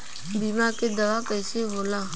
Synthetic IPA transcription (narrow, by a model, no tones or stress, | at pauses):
biːmãːked̪əʋaːkəɪseboːlaː